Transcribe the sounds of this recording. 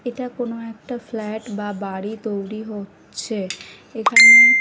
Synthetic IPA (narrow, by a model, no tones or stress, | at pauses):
eʈakonoɛk̚ʈaflɛʈbabaɽit̪ojɾiɦotːɕʰe | ekʰane